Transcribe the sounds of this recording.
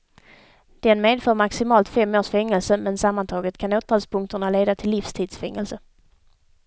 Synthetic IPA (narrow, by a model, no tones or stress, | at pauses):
d̪̥ɛnmeːd̪fœːɾmaksɪmɑːlt̪fɛmːoːʂfɛŋːəlsəmɛnsamːant̪ʰɑːɡət̪kʰanoːt̪ʰɑːd̪spʰɵŋkt̪əɳaleːd̪at̪ʰɪlːifst̪ʰiːd̪sfɛŋːəlsə